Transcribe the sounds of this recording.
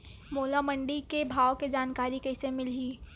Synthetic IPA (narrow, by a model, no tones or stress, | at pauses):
moːlamə̃ɳɖikebʱaːwked͡ʒaːnkaːɾikɐɪsemɪliː